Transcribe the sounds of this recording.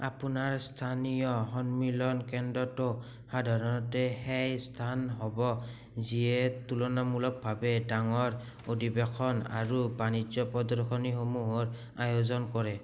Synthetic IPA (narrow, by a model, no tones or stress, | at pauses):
apunaɹstʰanijɔɦɔnmilɔnkɛndɔto | hadʱaɹɔnɔtɛhɛjstʰanɦɔbɔ | zijɛtulɔnamulɔk̚bʱabɛdaŋɔɹ | odibɛkʰɔna̰ɹubanid͡ʒɔpɔdɔɹxʰɔnixomuɦɔɹ | ajozɔnkɔɹɛ